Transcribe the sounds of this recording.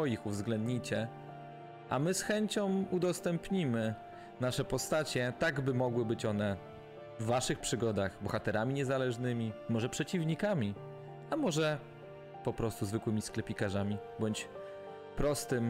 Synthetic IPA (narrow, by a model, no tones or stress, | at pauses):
ɔjixuvzɡlɛnd̪ɲit͡ɕɛ | ʔa̰mɘsxɛɲt͡ɕɔ̃mud̪ɔst̪ɛmpɲimɘ | naʂɛpɔst̪at͡ɕɛt̪aɡbɘmɔɡwɘbɘt͡ɕɔnɛ | vːaʂɘxpʂɘɡɔd̪axbɔxat̪ɛɾamʲiɲɛzalɛʐnɘmʲimɔʐɛpʂɛt͡ɕivɲikamʲi | amɔʐɛ | pɔpɾɔst̪uzvɘkwɘmʲisklɛpʲikaʐamʲibɔɲt͡ɕ | pɾɔst̪ɘm